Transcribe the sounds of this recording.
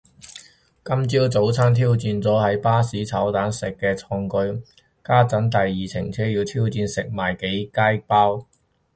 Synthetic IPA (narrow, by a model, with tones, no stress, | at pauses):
kɐ˥mt͡siː˥wt͡so˨˥wt͡sʰaː˥nt̪ʰiː˥wt͡siː˧nt͡sɔː˨˥hɐ˨˥jpaː˥siː˨˥t͡sʰɐ˨˥wt̪aː˨˥nsɪ˨kːɛː˧t͡sʰɔː˧ŋkɵ˧ɥ | kaː˥t͡sɐ˨˥nt̪ɐ˨jːiː˨t͡sʰɪ̰˨˩ŋt͡sʰɛː˥jiː˧wt̪ʰiː˥wt͡siː˧nsɪ˨k̚maː˨˩jke˨˥jkaː˥jpaː˥w